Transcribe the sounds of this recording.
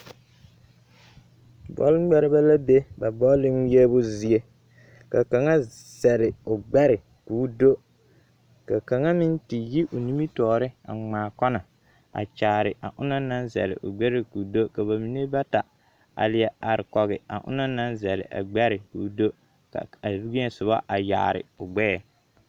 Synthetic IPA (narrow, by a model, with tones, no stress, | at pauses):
bɔ̰˦lɡ͡bɛ˦ɾɪ˦ba˦la˦be˦ba˨bɔ˦lɪ˦ŋ˦jɛ˦bʊ˦zi˨e˦ | ka˨ka˨ŋa˦ | z̥ɛ˨lɪ˨ʊ˨ɡ͡bɛ˦ɾɪ˨ | kuː˨˦do˦ | ka˨ka˨ŋa˦mɪ˦nti˨ji˦ʔo˨ni˦mi˦tɔː˨ɾɪ˦a̰˨ŋ͡maː˨kɔ˦na˨ | a̰˨t͡ʃaː˨ɾɪ˨ʔa˨ʔʊ˦nɔ˦na˦nzɛ̰˨lɪ̰˨ʔʊ˨ɡ͡bɛ˦ɾɪ˦ku˨do˦ka˨βa˨mi˨ne˦ba˦ta˨ | a̰˨lɪ˦jɛ˦a˨ɾɪ˨kɔ˨ɣɪ˨a̰˨ʔʊ̰˦nɔ˦na˦nzɛ˨lɪ̰˨ʔa̰˨ɡ͡bɛ˦ɾɪ˨ku˨˦do˦ | ka̰˨a˨bu˦ɡi˦ɲɛ˨sʊ˨βa̰˦ʔa˨ja̰ː˨ɾɪ̰˨ʊ˨ɡ͡bɛ˦ɛ˨